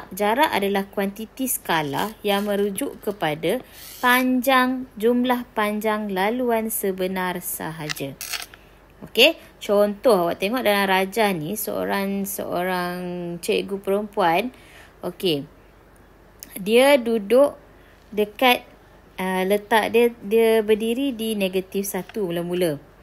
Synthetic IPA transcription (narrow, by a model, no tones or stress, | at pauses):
ʔd͡ʒaɾaʔadalahkwant̪it̪isə̥kala̰hjaŋmə̃ɾud͡ʒʊʔkəpada | paɲd͡ʒaŋd͡ʒumlahpaɲd͡ʒaŋlaluansəbənãrsa̰ɦad͡ʒa | oke | t͡ʃɔnt̪ɔɦawaʔt̪eŋɔʔdalamɾad͡ʒahnisə̰o̰ɾaŋsə̰ʔo̰ɾaŋt͡ʃəʔɡupəɾəmpuan | oke | diədudʊʔ | dəkat̪̚ | ələt̪aʔdiədiəbərdiɾidineɡat̪ifsat̪umuləmulə